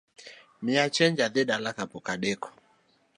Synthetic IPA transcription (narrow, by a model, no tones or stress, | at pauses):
miat͡ʃɛɲd͡ʒaðɛɗalakapɔkaɗɛkɔ̥